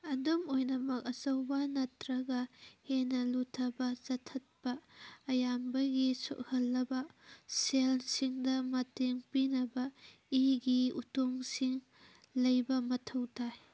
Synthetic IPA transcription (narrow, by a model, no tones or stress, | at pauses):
ɐdomojnɐmɐk̚ɐsɐwbanɐtɾɐɡɐhenɐlutʰɐbɐzɐtʰɐt̚pɐːjambɐɡiso̰ʔ̚hɐlːɐbɐselsiŋdɐmɐteŋpinɐbɐ | iɡiutoŋsiŋ | lɐjbɐmɐtʰɐwtʰaj